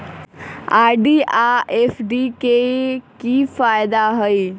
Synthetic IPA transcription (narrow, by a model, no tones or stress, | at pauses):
aɖiaefɖikekifajd̪aɦəj